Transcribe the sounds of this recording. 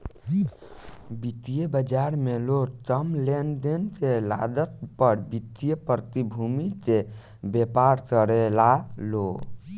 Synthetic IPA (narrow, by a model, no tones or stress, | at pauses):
bit̪ijebəd͡ʒaɾmelot̪əmlend̪end͡ʒela̰d̪ət̪̚pəɾbit̪ijepɾət̪ibʱumit͡ʃe | bepaɾkəɾelalo